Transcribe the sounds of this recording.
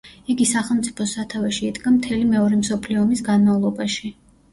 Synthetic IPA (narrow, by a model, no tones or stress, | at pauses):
iɡisaχɛlˠmt̪sʼi̥pʰɔsat̪ʰavɛʃiːd̪ɡamt̪ʰɛlimɛɔɾɛmsɔpʰliɔmisɡanmavlˠɔbaʃi